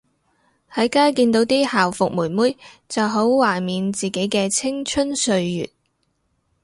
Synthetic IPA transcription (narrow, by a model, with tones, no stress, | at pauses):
hɐ˨˥jkaː˥jkiː˧nt̪o˨˥wt̪iː˥haː˨wfʊ˨k̚muː˨˩nmuː˥jt͡sɐ˨wɦo˨˥wwaː˨˩miː˨nt͡siː˨˩ke˨˥jkɛː˧t͡sʰɪ˥ŋt͡ʃʰɵ˥nsɵ˧ɥjy̰ː˨t̚